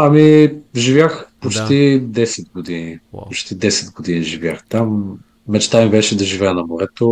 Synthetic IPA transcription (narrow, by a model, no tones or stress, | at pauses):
ɐmiʒivjaxpot͡ʃt̪id̪ɛsɛd̪̚ɡod̪inipot͡ʃt̪id̪ɛsɛd̪ɡod̪iniʒivʲjaxt̪amː | ɛt͡ʃt̪amibɛʃɛd̪ɐʒivɛɛnɐmoɾɛt̪o